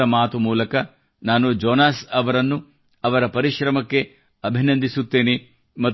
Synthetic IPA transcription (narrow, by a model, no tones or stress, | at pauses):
ɐmaːt̪umuːlɐkɐ | naːnud͡ʒɔːnaːsɐʋɐɾɐnːu | ɐʋɐɾɐpɐɾiʃɾɐmɐkːe̞ | ɐbʱinɐnd̪ʱisut̪ːeːne | mɐ